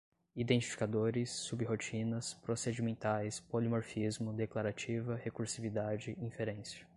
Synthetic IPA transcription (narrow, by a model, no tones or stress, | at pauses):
id̪ẽnt͡ʃi̥fi̥kad̪oɾɪsːubɪɦot͡ʃĩnɐspɾosed͡ʒimẽnt̪ajspolimoɾfizmʊd̪eklaɾat͡ʃivɐhekuɾsivid̪ad͡ʒɪʔĩfeɾẽsɐ̥